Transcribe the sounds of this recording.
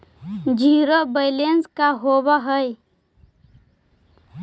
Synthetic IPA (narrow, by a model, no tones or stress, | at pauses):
d͡ʒʱiːɾobəɪlenskaɦobaɦəj